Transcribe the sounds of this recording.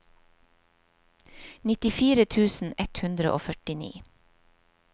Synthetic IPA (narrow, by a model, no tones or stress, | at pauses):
nɪt̪ɪfiːɾət̪ʰʉːsn̩ɛt̪hʉnd̪ɾə̰ʔo̰ːfœʈɪnḭː